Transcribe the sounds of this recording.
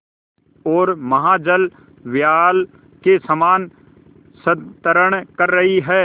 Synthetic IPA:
ɔːɾmɐɦaːd͡ʒəl | ʋjaːl | kesɐmaːn | sət̪əɾəɽ̃kɐɾːɐɦiɦɛː

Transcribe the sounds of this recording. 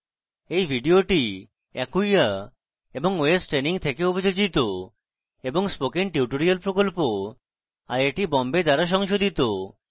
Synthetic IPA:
ejbʱiɖioʈi | ɛkujja | eboŋoesʈɾeniŋt̪ʰekeobʱid͡ʑod͡ʑit̪o | eboŋspokenʈiuʈoɾialpɾokolpo | aɾeʈibɔmbed̪aɾaʃ̬ɔŋʃod̪ʱit̪o

